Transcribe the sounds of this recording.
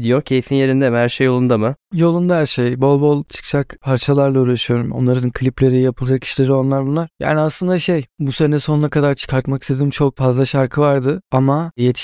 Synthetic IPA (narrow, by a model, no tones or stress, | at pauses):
d̪ijocʰe̞jifinje̞ɾind̪ɛmɦæɾʃejːo̞lˠund̪amɯjo̞lˠund̪aɦæɾʃejbo̞lˠbo̞lˠt͡ʃʰɯ̥kt͡ʃʰakpʰaɾt͡ʃʰalˠaɾlˠauːɾaʃyjo̞ɾumo̞̰nlˠaɾɯnkʰɯlʲiplʲe̞ɾijapʰɯlˠad͡ʒaki̥ʃlʲe̞ɾio̞nlˠaɾbunlˠaɾ̥ja̰ːniaslˠɯnd̪aʃejbuse̞nɛso̞nunakʰad̪aɾt͡ʃʰɯ̥kʰaɾt̪makist̪ʰe̞d̪ʲimt͡ʃʰo̞k̚fazlˠaʃaɾkʰɯvaɾd̪ɯamajet̪ʰi̥